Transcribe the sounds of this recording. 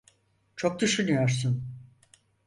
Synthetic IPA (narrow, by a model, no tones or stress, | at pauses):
t͡ʃʰo̞k̚d̪yʃynyjoɾsun